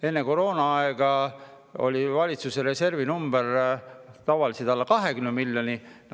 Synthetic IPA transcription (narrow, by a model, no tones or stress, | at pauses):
e̞nːeko̞ɾo̞ːnɑɑeɡ̥ɑ | o̞̰lʲivɑlʲit̪suseɾe̞se̞rvinumb̥er | t̪ɑvɑlised̪ɑlːɑkɑɦe̞kymnemilʲːjo̞nin